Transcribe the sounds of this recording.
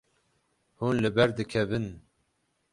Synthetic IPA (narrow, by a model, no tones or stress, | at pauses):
hunlɨbɛɾd̪ɨkʰɛvɨn